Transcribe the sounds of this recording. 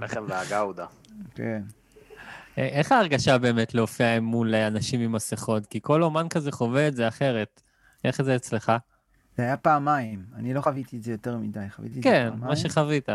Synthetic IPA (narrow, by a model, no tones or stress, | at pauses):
aχenveaɡawd̪a | ken | eʔeχaːʁɡaʃabe̞ːmetleofiaemːuleanaʃimimaseχo̞tkiko̞lomankazeχo̞veːtzeaχe̞ʁe̞t̪ | ʔe̞χzeːt͡sle̞χa | z̥eajapaːmaimanilo̞χavit̪ietzejoteʁmidajχavḭtikenmaʃeχavita